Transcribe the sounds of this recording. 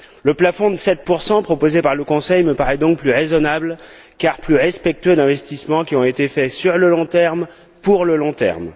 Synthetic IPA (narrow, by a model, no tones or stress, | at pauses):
ləplafɔ̃d̪əsɛt̪̚puʁsɑ̃pχɔpozepaʁləkɔ̃sɛjməpaʁɛd̪ɔ̃k̚plyʁezɔnabl | kaʁplyʁɛspɛk̚t̪ød̪ɛ̃vɛst̪ismɑ̃kʲiɔ̃et̪efɛsyʁləlɔ̃t̪ɛʁm | puʁləlɔ̃t̪ɛ̰ʁm